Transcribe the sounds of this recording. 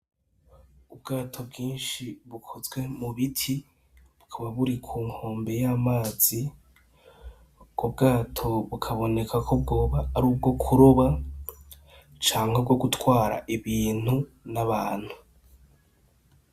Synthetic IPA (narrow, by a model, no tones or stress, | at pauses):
ubɡaːtʰo̞b̚ɡiːnʃiβukʰozɡwe̞muβitʰi | βukʰaβaβuɾikʰuːŋho̞ːmbe̞jaːmaːz̥i | ɡ̥ob̚ɡaːtʰo̞βukʰaβo̞ne̞kʰakʰob̚ɡo̞ːβaːɾuːb̚ɡo̞kʰuɾoβa | t͡ʃaːŋhob̚ɡo̞ɡutwaːɾa̰ʔiβiːn̥u | naβaːn̥hu